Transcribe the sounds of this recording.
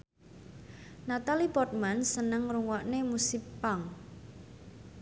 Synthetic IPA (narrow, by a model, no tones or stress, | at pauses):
nat̪alibɔt̪̚mansənəŋruŋwaʔnemusipːaŋ